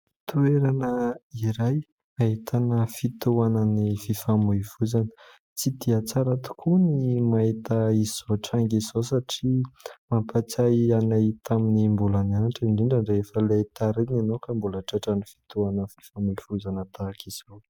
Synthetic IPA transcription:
t̪ueɾanəiɾaj | ait̪ʰanəfit̪uanənififamujfuzanə̥ | t͡sid̪iat͡saɾat̪u̥kʰunimait̪əiziz̥oʈ͡ʂaŋɡiz̥osaʈ͡ʂimampat͡sajanajt̪ʰaminimbulananaʈ͡ʂaɳɖ͡ʐiɳɖ͡ʐaɳɖ͡ʐeefəlet̪aɾinanowkambulaʈ͡ʂaʈ͡ʂənifi̥t̪uanəfi̥famuvuzanət̪akiz̥ow

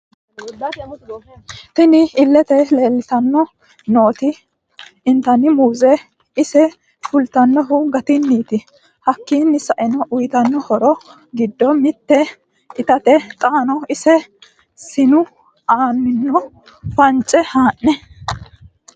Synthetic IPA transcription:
t̪ɪnɪɪlːɛt̪ɛle̞ːlːɪt̪ɐnːɔ | noːt̪ɪ | ɪnt̪ɐnɪmuːzɛ | ɪsɛ | fʊlt̪ɐnːɔɦʊɡɐt̪ɪnːiːt̪ɪ | hɐkːiːnːɪsɐʔɪnɐʔʊjt̪ɐnːɔhɔɾɔ | ɡɪd̪ːɔmɪt̪ːɛ | ɪt̪ɐt̪ɛt̪ʼaːnɔɪsɛ | sɪnʊ | aːnːɪnːɔ | fɐnt͡ʃʼːɛhaːʔːɛ

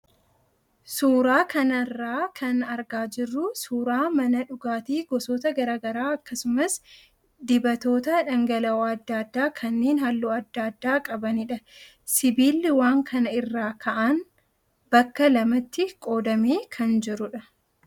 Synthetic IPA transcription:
suːɾaːkɐnɐrːaːkʰɐnɐɾɡaːd͡ʒɪrːʊsuːɾaːmɐnɐᶑʊɡaːt̪iːɡɔsoːt̪ɐɡɐɾaːɡɐɾaːɐkːɐsʊmɐs | d̪ɪbɐt̪o̞ːt̪ɐᶑɐŋɡɐlɐɐd̪ːaːd̪ːaːkʰɐnːeːnhɐlːuːɐd̪ːaːd̪ːaːkʼɐbɐnɪᶑɐ | sɪbiːlːɪwaːŋkʰɐnɐɪrːaːkʰɐʔan | bɐkːɐlɐmɐt̪ːɪkʼo̞ːd̪ɐmeːkʰɐnd͡ʒɪɾʊᶑɐ

